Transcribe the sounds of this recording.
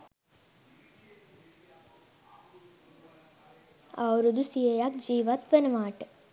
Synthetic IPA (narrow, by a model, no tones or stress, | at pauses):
awɾud̪usijejakd͡ʒiːʋɐt̪ʋenɐʋaːʈ